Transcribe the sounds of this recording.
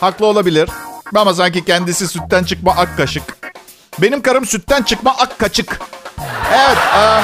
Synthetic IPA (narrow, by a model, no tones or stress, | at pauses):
haklˠɯo̞lˠabilʲiɾ̥mamas̬aɲcicʰɛnd̪isisyt̪ːænt͡ʃʰɯk̚maʔakːaʃɯk | be̞nimkaɾɯmsyt̪ːænt͡ʃʰɯkmaʔakːat͡ʃʰɯk | evɛt̪a